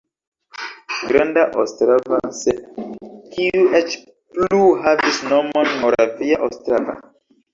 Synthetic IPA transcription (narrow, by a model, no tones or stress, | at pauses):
ɡɾãndaʔostɾavasɛ | kʰiuʔɛt͡ʃ | pluhavisnɔmɔ̃nmɔɾafiaʔostɾava̰